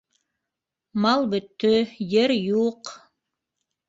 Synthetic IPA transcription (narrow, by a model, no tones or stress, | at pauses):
mɑlˠbɵ̆t̪ːɵjɘɾjuq